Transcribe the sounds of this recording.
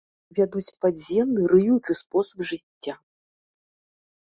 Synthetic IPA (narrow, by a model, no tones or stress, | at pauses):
vʲad̪ut͡sʲpad͡zʲɛmnɨɾɨjukʲuspɔsɐbʐɨt͡sʲːa